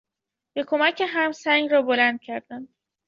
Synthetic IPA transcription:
b̥e̞kʰo̞mæcʰeɦæmsæŋɡɾɒːbolænd̪̥̚cʰæɾd̪ænd̪

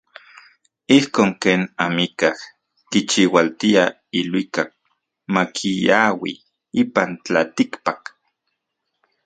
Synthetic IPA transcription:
ihkoːŋkeːnamikah | kit͡ʃiwalt̪ia | ilwikak̚ | makʰijawi | ipant͡ɬat̪ikpak

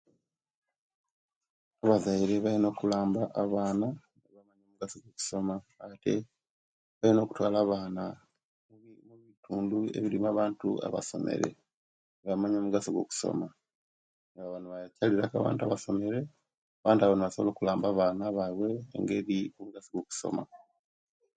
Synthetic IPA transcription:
aβazaiɾe̞βaino̞ːkulaːmbaʔaβaːna | ŋaβamaɲomuɡasoɡwoku̥so̞maːte̞ | βalino̞ːku̥twaːlaːβaːna | muβitʰuːndue̞̰βiɾimaβaːntṵa̰βa̰so̞̰mḛɾḛ | βamaɲomuɡasoɡwo̞̰ku̥so̰ma | ŋɡaβanuβajacaliɾaka̰βa̰ːntuaβaso̞me̞ɾe̞ | aβaːntaβanuβasoβlo̞ːkulaːmbaːβaːnaβawe̞ːŋɡe̞βiomuɡasiɡwoku̥so̞̰ma

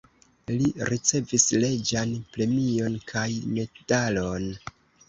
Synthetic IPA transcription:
liɾit͡se̞visle̞d͡ʒanpɾe̞mio̞nkʰajme̞d̥alo̞n

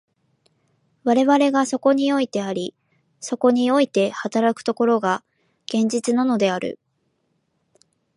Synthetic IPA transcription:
βaɾe̞βaɾe̞ɡaso̞ko̞ɲ̟io̞it̪e̞aɾʲi | so̞ko̞ɲ̟io̞it̪e̞hat̪aɾakɯ̟̥t̪o̞ko̞ɾo̞ɡa | ɡ̥ẽ̞ɲ̟d͡ʑit͡sɨnano̞d̪e̞aɾɯ̰

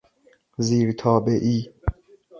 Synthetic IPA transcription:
ziːɾt̪ʰɒːbeʔiː

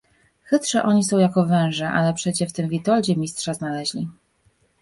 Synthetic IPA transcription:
xɘt̪ʂɛʔɔɲisɔ̃w̃jakɔvɛ̃w̃ʐɛʔa̰lɛpʂɛt͡ɕɛft̪ɘmvʲit̪ɔld͡ʑɛmʲist̪ʂaznalɛʑlʲi

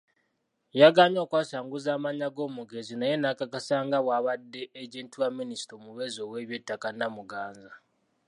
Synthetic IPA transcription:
jaɡaːɲo̞ːkwaːsaːŋɡuzaːmaɲaɡo̞ːmuɡe̞zinajenakakasaːŋɡaβwaːβadːe̞ʔːɟeːntiwaminisi̥tomuβe̞zo̞we̞βje̞tːakanamuɡaːnza

